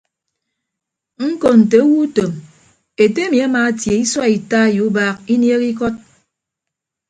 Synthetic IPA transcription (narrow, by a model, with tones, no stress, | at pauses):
ŋ̩˦kɔ˨n̩˨te˨o˦wu˦to˨m | e˨te˦e˦mi˨a˦maː˨˦tje˨i˦swa˦i˨taː˦˨ju˨˦baː˦k̚i˦nje˦ki˦kɔ˦t̚